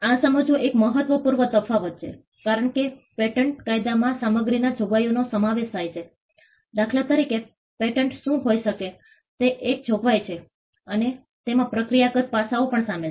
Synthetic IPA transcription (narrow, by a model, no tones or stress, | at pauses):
ãsəməd͡ʒũʔekməɦət̪ʋəpuɾʋət̪əfaʋət̪̚t͡ʃʰḛ | kaɾəɳkepeʈəɳʈkajd̪amãsaməɡɾinad͡ʒʱoɡʋajonosəmaʋeʃt̪ʰajt͡ʃʰe | d̪akʰlat̪əɾike | peʈəɳʈʃũɦojʃəke | t̪eʔːk̚d͡ʒʱoɡʋajt͡ʃʰe | əne | t̪emãpɾəkɾijakət̪̚pasaopəɳsame